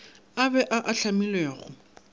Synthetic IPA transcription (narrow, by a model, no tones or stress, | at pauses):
abɛʔaʔaɬamilweːχʊ̰